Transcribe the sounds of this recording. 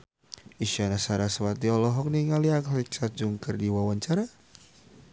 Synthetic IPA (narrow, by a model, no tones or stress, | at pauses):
iʃanasaɾasəwat̪iɔlɔɦɔk̚niŋaliakliksad͡ʒuŋkərdiwawaɲt͡ʃaɾa